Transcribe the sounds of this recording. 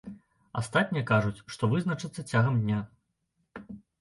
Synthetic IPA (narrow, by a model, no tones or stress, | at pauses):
a̰st̪at̪ʲnʲijɐkaʐut͡sʲʂt̪ɔvɨznɐt͡ʂɨt̪sːɐt͡sʲaɣɐmd̪ʲnʲa